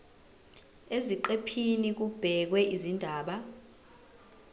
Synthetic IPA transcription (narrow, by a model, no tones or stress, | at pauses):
eziǃepʰinik̬ub̥ʱɛk̬wɛʔizindʱaːɓa